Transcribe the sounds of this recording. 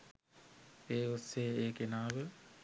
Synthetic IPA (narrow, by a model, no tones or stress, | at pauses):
eːoseːeːkenaːʋə